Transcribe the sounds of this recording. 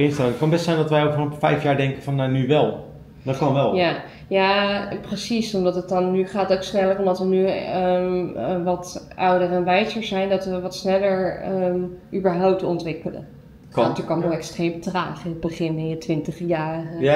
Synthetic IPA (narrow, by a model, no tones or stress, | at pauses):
ɪnstɛlkɑnbɛstsɛjndɑtʋɛjokfɔnɔpfɛjfjaːɹdɛŋkəfɑnːanyʋɛlˠ | dɔtkɑnʋɛlˠja | japrəsisɔmdɑtət̚dɑnːyχaːtowksnɛlərɔmdɑtʋəny | ʋɑtʔʌwdərɛnʋɛjzəɹzɛjndɑtʋəʋɑtsnɛləɹ | ʔybəɹɦɔwp̚tɔntʋɪkələ̰ | ɔtykɑnɔɛkstrejmətraːχɪnəd̚bəχɪnɪnjətʋɪntəχjaːrə